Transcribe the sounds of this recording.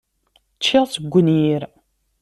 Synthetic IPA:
t͡ʃːiʁsəɡʷːənjiɾ

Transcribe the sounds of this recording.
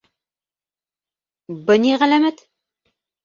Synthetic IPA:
bɘ̆niʁælæmæt̪

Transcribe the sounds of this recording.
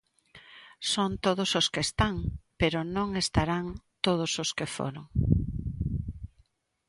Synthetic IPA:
sont̪oðʊsoskest̪aŋpeɾʊnõŋest̪aɾaŋt̪oð̞ʊsoskefo̰ɾoŋ

